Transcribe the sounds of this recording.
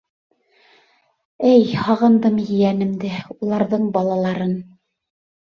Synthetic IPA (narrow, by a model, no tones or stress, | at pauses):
ɘjhɑʁɤ̆nd̪ɤmjɘ̆jænɘ̆md̪ɘulˠɑɾðɤɴbɑlˠɑlˠɑɾɤn